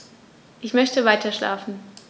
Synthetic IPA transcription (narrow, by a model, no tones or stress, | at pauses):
ʔɪçmœçtəvaɪtʰɐʃlʔa̰ːfn̩